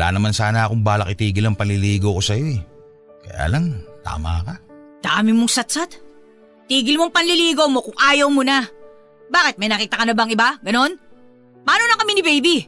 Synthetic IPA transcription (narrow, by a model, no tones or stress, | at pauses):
la̰ːnɐmansaːnɐkoŋbaːlɐkʔɪt̪iːɡɪlɐŋpɐnlɪliːɡowko̞sɐjo̞ɛ | kɐ̰ja̰ːlɐŋt̪a̰ːmakɐd̪̥aːmɪmoŋsɐt̪̚sat̪ | t̪iːɡɪlmoŋpɐnlɪliːɡowmo̞kʊŋʔaːjɐwmonɐ | baːkɛt̪̚mɐjnɐkiːt̪ɐkɐnɐbɐŋɪbaɡɐno̞n | pɐʔaːnonɐkɐminɪbejbi